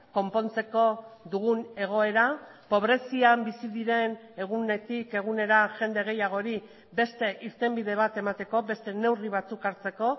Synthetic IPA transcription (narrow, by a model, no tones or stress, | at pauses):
ko̞mpo̞nt͡se̞ko̞ðuɣune̞ɣ̞o̞e̞ɾapo̞β̞ɾe̞siambisiðiɾe̞n | e̞ɣ̞une̞t̪ike̞ɣ̞une̞ɾaʝe̞nd̪e̞ɣ̞e̞jaɣ̞o̞ɾi | be̞st̪e̞ʔiɾt̪e̞mbiðe̞β̞at̪e̞mat̪e̞ko̞be̞st̪e̞ne̞wriβ̞at͡sukaɾt͡se̞ko̞